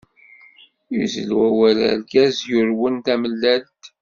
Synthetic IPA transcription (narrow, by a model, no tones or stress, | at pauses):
juzə̰lwæwælæ̰ɾɡæzjʊɾwənt̪æməlːælt̪